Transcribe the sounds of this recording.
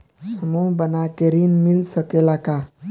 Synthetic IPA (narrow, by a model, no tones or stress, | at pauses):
səmubənakeɾinmilsəkelaka